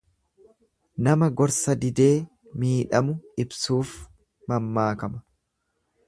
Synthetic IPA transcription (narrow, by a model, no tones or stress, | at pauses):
nɐmɐɡɔɾsɐd̪ɪd̪e̞ː | miːᶑɐmʊɪbsuːf | mɐmːaːkɐmɐ̥